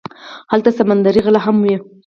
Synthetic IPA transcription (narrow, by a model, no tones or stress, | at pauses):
halt̪asamand̪aɾiɣəlaɦamwi